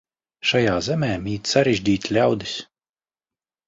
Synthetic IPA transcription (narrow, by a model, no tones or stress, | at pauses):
ʃajaːzɛmɛːmiːt̪ʲsaɾɛʒʲd̪ʲiːt̪ʲlʲawd̪is